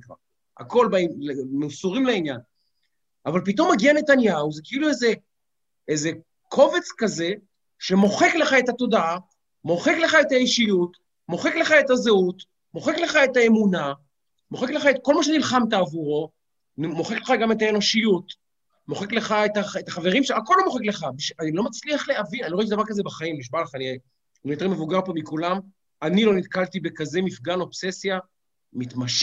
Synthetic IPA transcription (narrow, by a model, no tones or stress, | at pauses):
a | a̰ko̞lbalemeusuʁimleinjan | avalp̬ito̞mːaɡianet̪anjauzekeilueze | eze̞ | kʰo̞ve̞t͡skaze̞ | ʃe̞mo̞χekleχae̞tat̪o̞daa | mo̞χekle̞χae̞taeʃijut | mo̞χekle̞χae̞tazeut̪ | mo̞χekle̞χae̞tae̞muna | moχekleχaet̚ko̞lmaʃ̬enilχamt̬aːvuʁo̞ | mo̞χekleχaɡame̞taeno̞ʃijut | mo̞χekle̞χaetaetaχaveʁimʃeako̞lo̞moχekle̞χabiʃanilo̞mat͡sliaχleavinaniit̬davaʁkazebaχaimliʃbaleχani | nijote̞ʁme̞vuɡaʁpomikulam | anilo̞nit̪kaltibekaze̞mifɡano̞pse̞sja | mit̪maʃ